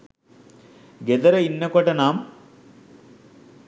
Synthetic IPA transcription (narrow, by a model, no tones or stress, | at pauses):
ɡed̪ɐɾɐinːɐkoʈɐnaːm